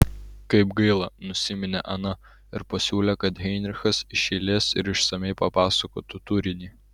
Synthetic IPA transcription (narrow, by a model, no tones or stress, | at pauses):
kɐɪpɡɐɪlˠɐnʊsʲɪmʲɪnʲḛʔɐnɐ | ɪɾpɐsʲuːlʲɛkɐt̪ɦʲɛɪnʲɾʲɪxɐsɪʃʲɛɪlʲeːsɪ̰ɾɪʃsɐmʲɛɪpɐpɑːsɐko̰ːt̪ʊt̪ʊɾʲɪnʲiː